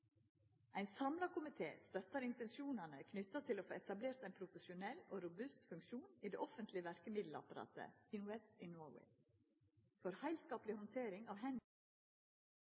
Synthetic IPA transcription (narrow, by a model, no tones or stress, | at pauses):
ʔæɪnsɑmlɑkʊmɪt̪ʰḛːst̪œt̪ɑɾɪnt̪ɛnsjuːnɑnəkʰnʏt̪ɑt̪ʰɪloːfoːɛt̪ɑbleːɾt̪æɪnpʰɾʊfəʃʊnɛlo̰ːɾʊbʉst̪fʉŋkʃuːniːd̪ḛːʔɔfənt̪lɪəʋæɾkəmɪd̪l̩ɑ̰pɑɾɑ̰ːt̪ʰə̰ɪnwɛd̪iːnoːwɛ̰ɪ | fɔɾhæɪlskɑːplɪhɔnt̪ʰeːɾɪŋɑːʋɦɛn